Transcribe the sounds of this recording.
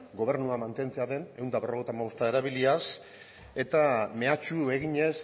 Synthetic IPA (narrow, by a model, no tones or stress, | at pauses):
ɡo̞βe̞ɾnuamant̪e̞nt͡seaðe̞ne̞wnd̪aβerot̪amaost̪ae̞ɾaβilias | e̞t̪ame̞at͡ʃue̞ɣiɲe̞s